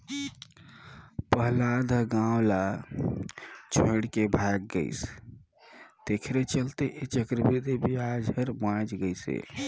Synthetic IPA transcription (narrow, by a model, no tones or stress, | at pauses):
pəɦlad̪ʱɡãwla | t͡ʃʰoɽkebʱaɡ̚ːə̰ɪs | t̪ekʰɾet͡ʃəlt̪eʔet͡ʃəkɾəbid̪ʱibiad͡ʒʱəɾmãd͡ʒɡəjsḛ